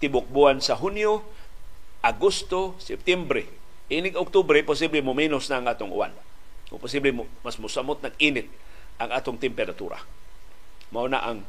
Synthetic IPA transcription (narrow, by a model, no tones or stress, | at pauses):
t̪ɪbʊk̚buansaɦunjo | ʔaɡʊst̪osɪp̚t̪ɛmbɾɪ | ʔinɪkʊk̚t̪ubɾɪpʊsiblɪmʊmɛnʊsnaaŋʔaːt̪ʊŋʔʊ̰a̰n | kʊ̰pʊsiblɪmʊmasmʊsamʊt̪̚naɡiːnɪt̪̚ | ʔaŋʔaːt̪ʊŋt̪ɪmpɛɾat̪ṵɾa̰ | mawna̰ʔaŋ